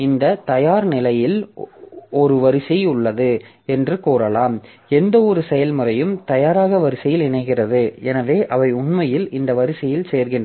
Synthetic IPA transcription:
ɪnd̪ɐt̪ɐjaːɾnɪlɐjɪl | ɔɾɯʋɐɾɪsɐʊɭːɐðɯ | ɛndrɯkoːɾɐlaːm | ɛnd̪ɐɔɾɯsɛjɐlmɯrɐjɯmt̪ɐjaːɾaːɣɐʋɐɾɪsɐjɪlɪnɐɪɣɪrɐðɯɛnɐʋeːʔɐʋɐɪʊnmɐjɪlɪnd̪ɐʋɐɾɪsɪjɪlseːɾɣɪn

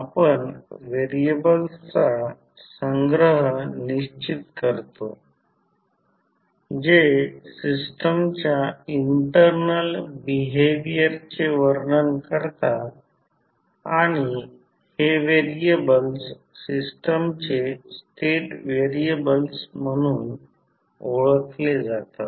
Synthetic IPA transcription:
apəɳʋeɾiebəlst͡sa | səŋɡɾəɦəniɕt͡ɕit̪kəɾt̪o̰ | d͡ʑesisʈəmt͡ɕjaiɳʈəɾnəlbiɦeʋijəɾt͡seʋəɾɳənkəɾt̪a | aɽ̃i | heʋeɾiebəls | sisʈəmt͡sesʈeʈʋeɾiebəlsm̤əɽ̃uːn | oɭəkled͡zat̪a

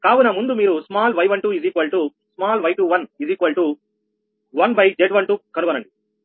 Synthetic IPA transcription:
kaːʋunɐmund̪umiːɾusmaːlʋɐjʋɐɳʈuːiziːkʋɐlʈu | smaːlʋɐjʈuʋɐniziːkʋɐlʈu | ʋɐnbɐjd͡ʒeɖʋɐɳʈuːkɐnubɐnɐɳɖi

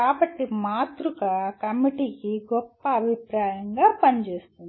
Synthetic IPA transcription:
kaːbɐʈːimaːt̪ɾukaːkɐmiʈiːkiɡɔpːɐːbʱipɾaːjɐŋɡaːpɐnt͡ʃe̞ːst̪und̪i

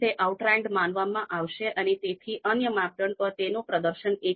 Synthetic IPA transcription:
t̪eʔauʈɾɛ̃ɳɖmãnʋamãʔaʋʃeʔənet̪et̪ʰiʔənjəmat̪əɳpəɾt̪enopɾəd̪əɾʃəne

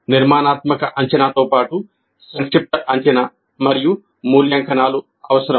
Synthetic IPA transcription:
niɾmaːnaːt̪mɐkɐʔɐɲt͡ʃɐnaːt̪oːpaːʈu | sɐnskɾip̚ʈɐʔɐɲt͡ʃɐna | mɐɾiju | muːljaːŋkʰɐnaːlu | ɐʋɐsɐɾɐm

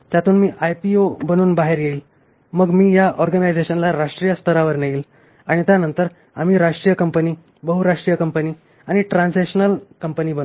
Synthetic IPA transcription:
t̪jat̪ʰuːnmiːʔajpiobəñuːnbaɦeɾjeiːl | məɡmiːjaʔɔɾɡənajd͡zeɕənlaɾaʂʈɾijəst̪ʰəɾaʋəɾneiːl | aɽ̃it̪janənt̪əɾ | a̰m̤iːɾaʂʈɾijəkəmpəniː | bəɦuɾaʂʈɾijəkəmpəniː | aɽ̃iʈɾãnseɕənəlkəmpəniːbən

